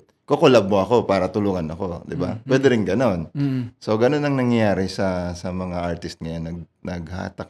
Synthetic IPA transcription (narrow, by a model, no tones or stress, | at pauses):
kokolabmoʔɐko̞paːɾɐt̪ʊluːŋɐnɐko̞d̪ɪba̰pwɛːd̪ɛɾɪnŋɡɐno̞nso̞ɡɐno̞nːɐŋnɐŋjɐjaːɾɪsɐsɐmɐŋaʔaɹt̪ɪst̪̚ŋɐjonːɐɡ̚ | nɐɡ̚ha̰ːt̪ɐk̚